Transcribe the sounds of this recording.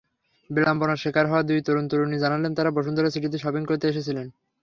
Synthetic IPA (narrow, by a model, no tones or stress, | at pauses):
bilamponaɾʃekʰaɾɦɔoad̪ujt̪oɾont̪oɾonid͡ʑanalent̪aɾabɔʃ̬ond̪oɾes̬iʈit̪iʃɔbiŋkoɾt̪eeʃet͡ɕʰilen